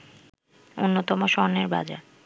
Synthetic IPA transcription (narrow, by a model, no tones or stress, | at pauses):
onːot̪ɔmoʃɔɦneɾba̰d͡ʑa̰